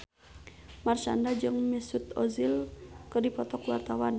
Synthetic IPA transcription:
mart͡ʃa̰ndad͡ʒɨŋmisut̪ɔzilkərdipɔt̪ɔkwart̪awan

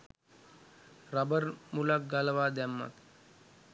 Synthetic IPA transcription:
ɾabəɾmulak̚ɡaləʋaːd̪ɛmːa̰t̪

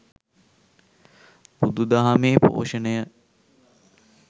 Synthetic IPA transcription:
bud̪ud̪aɦameːpo̰ːʃənəjə

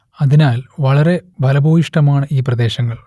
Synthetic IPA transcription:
ɐðinaːlʋɐɭɐɾe̞bʱɐlɐbʱoːjiʂʈɐmaːɳɨiːprɐd̪e̞ːɕɐŋːɐɭ

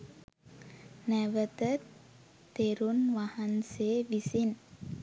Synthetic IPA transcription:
nɛwət̪ə | t̪eɾunwahansevisin

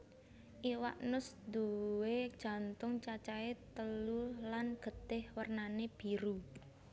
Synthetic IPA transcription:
ʔiwa̰ʔnʊsd̪uwed̥ʒ̥a̤nt̪ʊŋt͡ʃat͡ʃaet̪əlulanɡ̥ə̤d̪̥ɪhwərnaneb̥iɾu

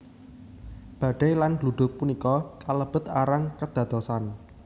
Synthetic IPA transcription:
b̥a̤ɖ̥ajlanluɖ̪̥ʊ̤k̚punikɔkaləb̥ə̤t̪aɾaŋkəd̪̥ä̤t̪ɔsan

